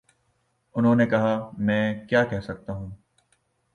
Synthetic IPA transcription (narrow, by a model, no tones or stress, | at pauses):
ʊnɦõːnekɐɦaːmɛ̃ːkjaːkɛɦsɐk̚t̪aːɦũː